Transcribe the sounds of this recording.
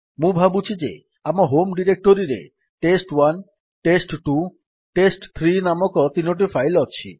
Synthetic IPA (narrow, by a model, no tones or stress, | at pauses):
mũbʱabut͡ɕʰid͡ʑḛ | amaɦomɖiɾek̚ʈoɾiɾḛ | ʈesʈwan | ʈesʈʈu | ʈesʈt̪ʰɾinamɔkɔt̪inoʈ̬ifajlɔt͡ɕʰḭ